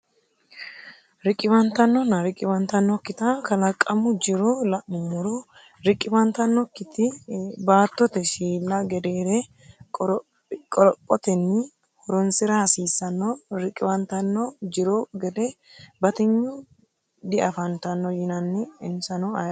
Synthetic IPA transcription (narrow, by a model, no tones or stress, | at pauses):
ɾɪkʼːɪbɐnt̪ɐnːɔnːɐɾɪkʼːɪbɐnt̪ɐnːɔkːɪt̪ɐkɐlɐkʼːɐmʊd͡ʒɪɾolɐʔɪmʊɾo | ɾɪkʼːɪbɐnt̪ɐnːɔkːɪt̪ɪbaːt̪ːɔt̪ɛʃiːlːɐɡɛd̪eːɾɛ | kʼɔɾpʼːɔt̪ɛnːɪ | hɔɾɔnsɪɾɐhɐsiːsːɐnːɔɾɪkʼːɪbɐnt̪ɐnːɔd͡ʒɪɾoɡɛd̪ɛ | bɐt̪ɪɲːʊ | d̪ɪɐfɐnt̪ɐnːɔjɪnɐnːɪɪnsɐnɔɐ